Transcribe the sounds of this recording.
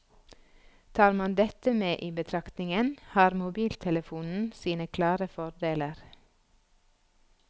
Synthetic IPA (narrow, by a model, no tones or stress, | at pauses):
t̪ʰɑːɾmɑnd̪ɛt̪əmeːʔiːbət̪ʰɾɑkt̪nɪŋənhɑːɾmʊbiːlt̪ʰɛləfuːnn̩siːnəkʰlɑːɾəfɔɾɖeːləɾ